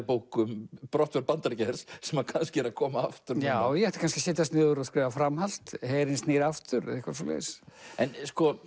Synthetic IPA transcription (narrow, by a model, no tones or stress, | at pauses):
powkʏmpɾɔht̪vɛɾpant̪aɾcɛɾssɛmakʰanscɪɛɾaðkʰɔːmaaft̪ʏɾjaːwjɛhɛht̪ḁkanscɪsɛːt̪ast̪nɪːðʏɾɔðskɾɛːvafɾamhal̥t̪hejɾɪnsniːɾaft̪ʏɾɛ̰ðɪhkvasɔlɛ̰ðsɛnskɔ